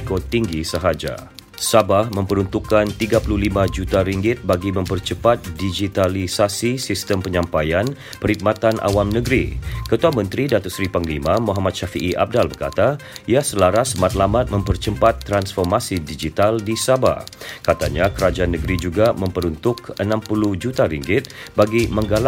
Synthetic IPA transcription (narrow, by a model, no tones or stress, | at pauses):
kot̪iŋɡisəɦad͡ʒa̰ | sabahmə̃mpəɾunt̪ukːant̪iɡapululimãd͡ʒut̪aɾiŋɡɪt̪̚baɡimə̃mpərt͡ʃəpat̪̚did͡ʒit̪alisasisist̪əmpəɲãmpajan | pəɾhik̚mat̪anʔa̰wamnəɡɾḭkət̪uamə̃nt̪ɾidat̪ɔʔsɾipaŋlimãmuɦamat̪̚ʃafiʔiʔa̰b̚dalbərka̰t̪aijasəlaɾasmat̪̚lamat̪̚mə̃mpərt͡ʃəmpat̪ːɾansfɔrmasidid͡ʒit̪aldisaba̰kat̪aɲakəɾad͡ʒaanːəɡɾid͡ʒuɡamə̃mpəɾunt̪ʊkənãmpuluhd͡ʒut̪aɾiŋɡɪt̪̚baɡimə̃ŋɡal